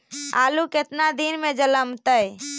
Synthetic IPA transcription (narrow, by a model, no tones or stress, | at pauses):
a̰ːluket̪nad̪inmed͡ʒələmt̪əj